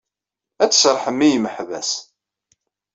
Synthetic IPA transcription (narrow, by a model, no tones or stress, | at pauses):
æt͡sːsɾˤħəmːijməħvæ̰s